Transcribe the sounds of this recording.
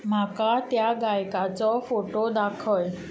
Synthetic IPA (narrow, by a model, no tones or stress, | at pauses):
makat̪jaɡajkat͡sɔfoʈod̪akʰəl